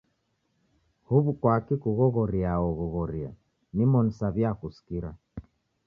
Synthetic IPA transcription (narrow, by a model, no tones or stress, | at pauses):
huβukwakikuɣɔɣɔɾiaɔɣɔɣɔɾia | nimɔnisaβjakusi̥kiɾa